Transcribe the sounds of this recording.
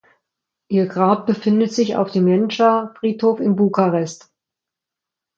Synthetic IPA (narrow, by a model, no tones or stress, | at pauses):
ʔiːɐɡʁaːp̚b̥əfɪndətz̥ɪça̰ʊfd̥eːmjɛnʃafʁ̥iːthoːfɪmbukaʁɛst